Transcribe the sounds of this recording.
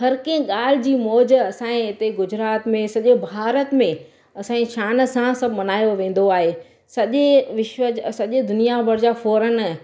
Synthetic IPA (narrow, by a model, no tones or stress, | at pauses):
ɦɐɾkẽɪ̃ɠaːl̤ɪd͡ʑiːmɔːd͡ʑɐsãːẽɦɪt̪eɡʊd͡ʑɾaːt̪mẽsɐʄebʱaːɾət̪mẽ | ɐsãːiʃaːn̆sãsɐbʱmɐnaːjoʋẽːn̆d̪oaːɦeː | sɐʄeʋɪʃʋəsɐʄɪd̪ʊnijabɐɽd͡ʑaːfɔːɾən